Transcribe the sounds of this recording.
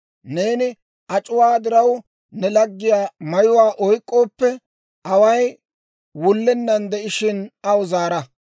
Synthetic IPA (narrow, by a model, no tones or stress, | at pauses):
ne̞ːnɪ | ʔɐt͡ʃʼʊwaːd̪ɪɾɐw | nɛlɐɡːɪjaːmɐjʊwaːʔɔjkʼːo̞ːpːɛ | ʔɐwɐj | wʊlːɛnːɐnd̪ɛʔɪʃɪnɐʊzaːɾɐ